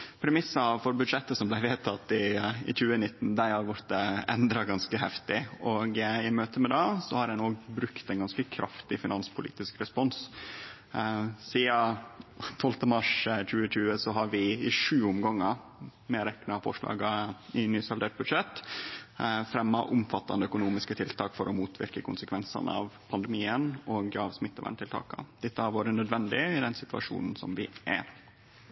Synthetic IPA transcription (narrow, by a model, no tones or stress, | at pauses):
pʰɾɛmɪsːɑfɔɾbʉd̪ʂɛt̪ːəsɔmblæɪʋeːt̪ʰɑt̪ːɪɪ̰c͡çʉːənɪt̪ːn̩d̪æɪhɑɾʋʊɾt̪əɛ̰nd̪ɾɑɡɑnskəhɛft̪ɪɔɡɪmøːt̪əmɛd̪ɑːsɔhɑɾɛnoːɡbɾʉkt̪æɪnɡɑnskəkʰɾʔɑ̰ft̪ɪfɪnɑnspʰʊlḭːt̪ɪskɾɛspɔns | siːɑ | t̪ʰɔlt̪əmɑʂc͡çʉːəc͡çʉːəsɔɦɑɾʋɪɪʂʉːʊmɡɑŋːə | mɛɾɛknəɑfɔ̰ʂɭɑ̰ːɡɑɪnyːsɑld̪eːʈ̚bʉd̪ʂɛt̪ː | fɾɛmːɑʔʊmfɑt̪ːɑ̰nd̪əœkʊnuːmɪskət̪ʰɪlt̪ʰɑːkfɔɾʔɔmuːt̪ʰʋɪ̰ɾkəkʰʊnsəkʰʋɛnsɑ̰n̰ɑ̰ʋpʰɑnd̪ɛmiːənɔːɡɑʋsmɪt̪ːəʋæ̰ɳʈ̪ʰɪlt̪ɑ̰ːkə̰d̪̥ɛt̪ːəhɑɾʋoːɾənœd̪ʋɛnd̪ɪɪd̪ɛnsɪt̪ʉɑ̰ʂṵːnn̩sɔ̰mʋɪʔæ̰ɾ